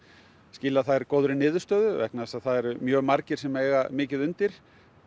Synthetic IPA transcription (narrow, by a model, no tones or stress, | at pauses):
sciːlaðθaðɛɾkoːwðɾɪnɪːðʏst̪œːðʏvɛ̰knasaðθaðɛɾmjœːɣmaɾcɪɾ̥sɛmɛjɣamɪːcɪðʏnt̪ɪɾ̥